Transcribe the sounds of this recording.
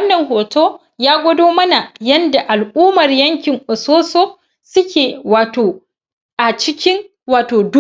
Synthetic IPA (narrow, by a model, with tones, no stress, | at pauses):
ɐ˦nːɐ˨ŋhoː˨toː˦ | jaː˦ɡʷɐ˦doː˦mɐ˦na˨jɐ˦nda˨ʔa˨lʔuː˦mɐ˨rjɐ˦ŋkʲɪ˨ŋʔʊ˨soː˦soː˦ | sʊ˦kʲeː˨waː˨toː˨ | ʔa˨t͡ʃɪ˦kʲɪ˦ŋ | waː˨toː˨d